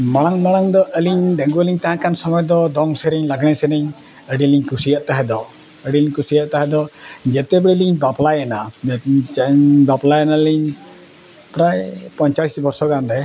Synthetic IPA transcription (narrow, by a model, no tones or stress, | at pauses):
maɽ̃aŋmaɽ̃aŋd̪ɔʔəliɲɖ̪ə̃ŋɡuəliɲt̪aɦãkansɔmɔjd̪ɔd̪ɔŋsɛɾɛɲlaɡɽ̃ɛsɛnɛɲ | əɽiliɲkusijaʔt̪aɦɛd̪ɔ | əɽiliɲkusijaʔt̪aɦɛd̪ɔd͡ʒɛt̪ɛbɛɽiliɲbaplajana | baplajanaliɲ | pɾajpɔɲt͡ʃalisbɔɾsɔkanɾɛ